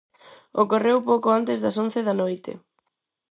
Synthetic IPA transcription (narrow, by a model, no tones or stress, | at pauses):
okorewpowkoant̪ezðɐson̟θeðɐnojt̪ḛ